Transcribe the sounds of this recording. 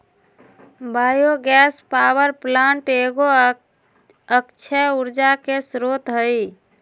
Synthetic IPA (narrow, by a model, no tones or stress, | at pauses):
bajoɡɛspawəɾplaɳʈeɡo | əkt͡ʃʰəuɾd͡ʒakesɾot̪ɦəj